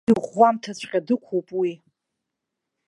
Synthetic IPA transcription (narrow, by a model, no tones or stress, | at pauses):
ɨʁʷamtʰat͡ɕʷʰqʲʼadɨkʷʰowpʼwi